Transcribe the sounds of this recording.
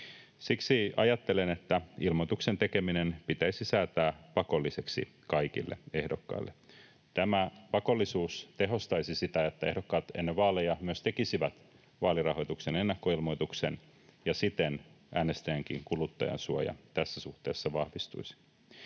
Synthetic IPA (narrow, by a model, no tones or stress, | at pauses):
siksiɑjɑt̪ːe̞lene̞t̪ːæilmot̪ukse̞nt̪e̞ke̞minenpit̪æisisæːt̪æːpɑko̞lːise̞ksḭ | kɑjk̟ḭlːḛe̞hdo̞kːɑ̰ilːe | t̪æmæpɑko̞lːisuːst̪e̞ɦo̞st̪ɑjsisit̪æet̪ːæehdo̞kːɑːt̪enːeʋɑːlejɑmyøst̪e̞kisiʋæt̪ | ʋɑːlirɑho̞jt̪ukse̞ne̞nːɑkːo̞ilmo̞jt̪uksḛn | jɑsit̪en | ʔæːne̞st̪æjæŋk̟ḭŋkulut̪ːɑ̰jɑ̰nsuɑ̰jɑ̰t̪æsːæsuht̪e̞̰ːsːɑʋɑhʋist̪ṵisi̥